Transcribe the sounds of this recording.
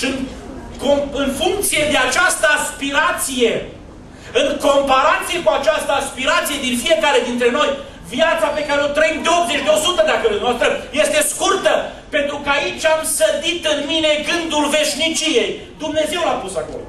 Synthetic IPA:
inkoɨnfuŋk̚t̪sije̞d̪e̞at͡ʃast̪əaspiɾat̪sije̞ | ɨŋko̞mpaɾat̪sije̞kuat͡ʃast̪əaspiɾat̪sije̞d̪infije̞kaɾe̞d̪int̪ɾe̞no̞j | vijat̪sape̞kaɾeo̞t̪ɾəimd̪eo̞pzet͡ʃʲd̪eo̞sut̪əd̪akəlenost̪ɾəje̞st̪e̞skurt̪ə | pe̞nt̪ɾukəait͡ʃʲamsəd̪it̪ɨnmine̞ɡɨnd̪ulve̞ʃnit͡ʃije̞j | d̪umne̞ze̞wlapusako̞̰lo̰

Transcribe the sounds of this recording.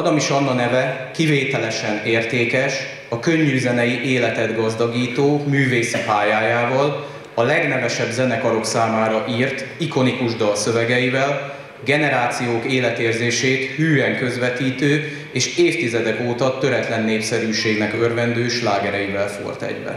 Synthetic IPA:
ɒɡ̪ɒmiʃɒnːɒnɛvɛkiveːt̪ɛlɛʃɛneːrt̪eːkɛʃ | ɒkøɲːyzɛnɛjiʔeːlɛt̪ɛd̪ɡɒzd̪ɒɡiːt̪oːmyːveːsipaːjaːjaːvɒl | ɒlɛɡnɛvɛʃɛbzɛnɛkɒɾo̞ksaːmaːɾɒʔiːrt̪iko̞nikuʒd̪ɒlsø̞vɛɡɛjivɛl | ɡɛnɛɾaːt̪sijoːkeːlɛt̪eːrzeːʃeːt̪hyːɛŋkø̞zvɛt̪iːt̪øː | eːʃeːft̪izɛd̪ɛkoːt̪ɒt̪ø̞ɾɛt̪lɛnːeːpsɛɾyːʃeːɡnɛkørvɛnd̪øːʃlaːɡɛɾɛjivɛlfo̰rt̪ɛ̰ɟvɛ̰

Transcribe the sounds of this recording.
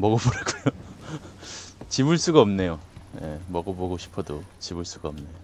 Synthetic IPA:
mʌɡʌboɾek͈ujo | t͡ɕibuɭs͈uɡaʌmne̞joje̞mʌɡʌboɡoɕʰi̥pʰʌdot͡ɕibuɭs͈uɡaʌmnejo

